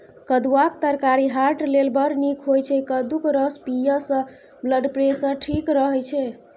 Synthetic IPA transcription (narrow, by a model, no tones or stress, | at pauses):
kəd̪uwak̚t̪əɾkaɾiɦaɾʈlelbəɾnikʰɦojt͡ʃʰɛkəd̪ukɾəspijəsə̃ | bləɖpɾesə̃ʈʰikɾəɦɛjt͡ʃʰɛ